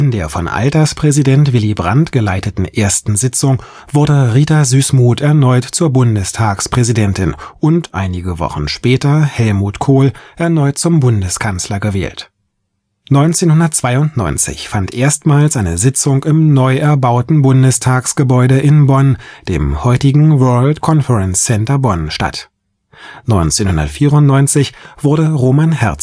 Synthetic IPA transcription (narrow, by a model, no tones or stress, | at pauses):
ʔɪndeːɐfɔnʔa̰ltɐspʁ̥ɛzidɛntv̥ɪlibʁa̰ntɡ̥əlaɪtətn̩ʔeːɐstn̩zɪt͡sʊŋ | v̥ʊɐdəʁiːtazyːsmuːtɛɐnɔʏtt͡suːɐbʊndəstʰaːkspʁ̥ɛzidɛntɪnʔʊntʔa̰ɪnɪɡəvɔ̰χn̩ʃpɛːtɐhɛlmuːtkʰoːlʔɛɐnɔʏt̚t͡sʊmbʊndəskʰanslɐɡəvɛ̰ːlt | nɔʏnt͡seːnhʊndɐt̚t͡sv̥aɪʊntnɔ̰ʏnt͡sɪ̰çfantʔeːɐstmaːlsʔaɪnəzɪt͡sʊŋɪmnɔʏʔɛɐbaʊtn̩bʊndəstʰaːksɡ̥əbɔʏɾəʔɪnbɔnd̥ḛːmhɔʏtɪɡŋ̩vɜɐltkʰɔnfəʁɛnsːɛntɐbɔnʃta̰t | nɔʏnt͡seːnhʊndɐ̰tfiːʁʊntnɔʏnt͡sɪçv̥ʊɐdəʁoːmanhɛɐ